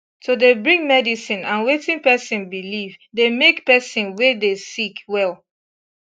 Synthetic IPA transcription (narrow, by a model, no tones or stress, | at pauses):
todebɹĩŋmɛdisĩnãnwetĩŋpɛsĩnbilivdemekpɛsĩnwedesikwɛlˠ